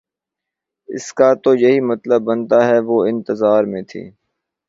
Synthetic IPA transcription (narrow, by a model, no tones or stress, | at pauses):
ɪ̰skat̪ojɐɦimɐt̪ləbːɐnt̪aɦɛʋoɪ̃nt̪əzaːɾmẽt̪ʰḭː